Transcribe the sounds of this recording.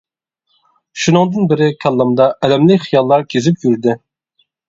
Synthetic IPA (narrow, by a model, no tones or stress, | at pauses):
ʃunɨŋd̪ɨnbɪɾɪkʲʰɑlˠːɑmd̪ɑɛlɛmlɪkʲχijɑlˠːɑɾkʲʰezɪpjyɾd̪ɪ